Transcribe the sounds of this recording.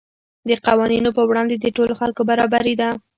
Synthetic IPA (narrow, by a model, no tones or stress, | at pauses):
d̪əqawɑninopəwɽɑnd̪ed̪əʈoloxalkobaɾɑbaɾed̪a